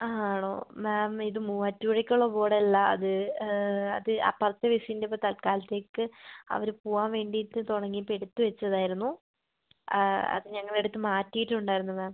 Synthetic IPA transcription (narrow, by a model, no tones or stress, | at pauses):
aːɳo̰ːmaːmiðɨmuːɐtːuuɽɐkʲːuɭːɐbo̞ːɽɐlːɐɐ̰ðɨ | ɐ̰ðɨa̰ːpːɐrɐt̪ːɐʋisiindepːot̪ɐlkaːlɐt̪ːe̞ːkːɨɐ̰ʋɐɾupuːaːnʋe̞ːɳɖiʈːɨt̪oɽɐŋːipeɽut̪ːɨʋet͡ɕːɐðaːjiɾunːu | ɐ̰ðɨɲɐŋːɐɭe̞ɽut̪ːɨmaːtːijiʈːuɳɖaːjiɾunːumaːm